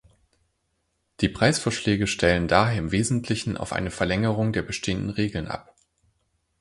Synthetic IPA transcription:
d̥iːpʁ̥aɪsfoːɐʃlɛːɡəʃtʰɛləndaːɦeːɐɪmveːzn̩tʰlɪçn̩ʔa̰ʊfʔa̰ɪnəfɛɐlɛŋəʁ̞ʊŋdeːɐbəʃtʰeːəndn̩ʁeːɡl̩nʔa̰p

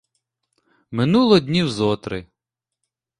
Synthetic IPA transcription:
mɪnulˠɔd̪ʲnʲiwzɔt̪ɾɪ

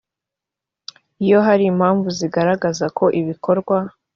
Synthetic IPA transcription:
ijo̞ɦaɾiːm̥haːɱvuziɡaɾaɡazakʰo̞ʔiβikʰoɾɡwa

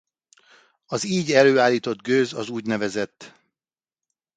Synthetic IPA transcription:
ɒziːɟɛløːaːlːiːt̪o̞d̪ɡøːzɒzuːɟnɛvɛzɛt̪ː

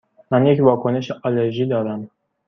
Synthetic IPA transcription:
mænjecvɒːkʰoneʃeʔɑleɾʒiːd̪ɒːɾæm

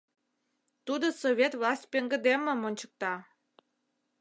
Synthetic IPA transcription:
t̪ud̪osoβʲet̪vlɑsʲt̚ʲpeŋɡə̆d̪emə̆monʲt͡ɕə̥k̚t̪ɑ

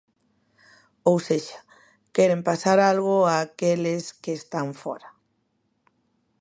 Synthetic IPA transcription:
owseʃḁ | kɛɾempasaɾalɣ̞oaːkeleskeːst̪aɱfɔ̰ɾa

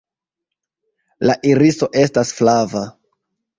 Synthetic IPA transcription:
laʔiɾiso̞ʔe̞stasflava

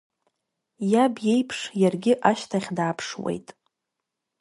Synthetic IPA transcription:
jabje̞jpʰʂjarɡʲɪʔaʃtʰaχʲdaːpʰʂwḛjtʼ

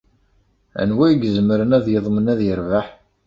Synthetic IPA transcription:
æ̰nwæjɡzəməɾənæðjəðˤmənæðjəɾvaħ

